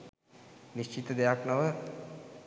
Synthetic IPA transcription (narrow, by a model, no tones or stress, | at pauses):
niʃt͡ʃit̪əd̪ejaknəʋə